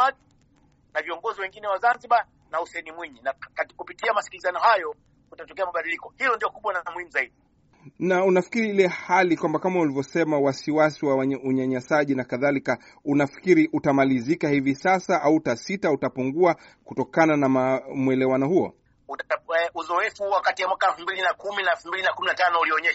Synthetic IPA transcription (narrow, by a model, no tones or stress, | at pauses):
aɗi | naviɔŋɡɔziwɛŋɡinɛwazanziɓa | nausɛɛnimwiɲinakakupitiamasi̥kilizanɔhajɔ | utatɔkɛamaɓaɗilikɔhilɔndiɔkuɓwanamwimizaiɗi | naunafi̥kiɾiilɛhalikwambakamaulivjɔsɛmawasiwasiwawauɲaɲasaʄinakaðalika | unafi̥kiɾiʔutamalizikahivisasaʔauːtasitautapuŋɡua | kutɔkananamamwɛlɛwanɔhuɔ̰ | uuzɔɛfuwakatijamwakaɛlfumbilinakuminaɛlfumbilinakuminatanɔuliɔɲɛʃ